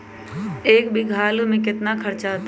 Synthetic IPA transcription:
eːkbʱiɡʱaːlumẽk̬ɪt̪nakʰəɾt͡ʃat̪

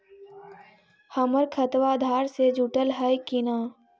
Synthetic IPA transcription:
həməɾkʰət̪ʋaːd̪ʱaːɾsed͡ʒʱʊʈəlɦəjkɪnaː

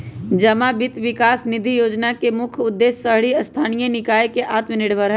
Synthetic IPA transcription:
d͡ʒɐmabɪt̪ʋɪkaːsnɪd̪ʱijoːd͡ʒnakemʊkʰʊd̪ːeːsːəɦɽiɐst̪ʰaːnijənɪkaːjkeʔaːt̪mənɪɽbʱəɾɦɛ

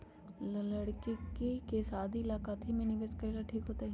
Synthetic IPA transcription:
llɐɽkikkikeːsaːd̪ʱiːlaːkaːt̪ɦimẽnibeskɐɾilɐʈʰiːkɦoːt̪eɦɛ

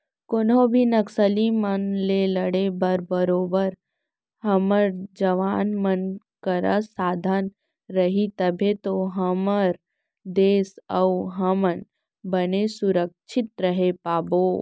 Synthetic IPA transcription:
konõbʱinɐksəlimənleləɽebəɾbəɾoːbəɾ | hɐməɾd͡ʒəʋaːnmən | kəɾəsaːd̪ʱan | ɾəɦit̪əbʱet̪oɦɐməɾ | d̪eːsəuɦɐmən | bənesʊɾək̚t͡ʃʰɪt̪ɾəɦepaːboː

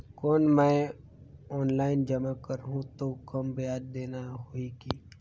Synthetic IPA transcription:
koːnmɛ̃ | ɔːnlaːɪnd͡ʒɐmakəɾɦũt̪okɐmbɪjaːd̪d̪eːnaɦoiɡiː

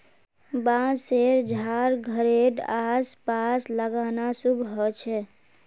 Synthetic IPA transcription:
bãseɾd͡ʒʱaɾɡʱəɾeɖaspasləɡanasubʱɦɔt͡ʃʰɛ

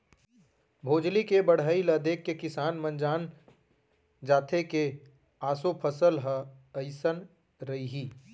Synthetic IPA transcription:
bʱoːd͡ʒlikebɐɽ̤aːiləd̪eːkːekɪsaːnmə̃nd͡ʒaːn | d͡ʒaːt̪ʰeke | aːsopʰəsəlɦəəɪsən | ɾɐiɦiː

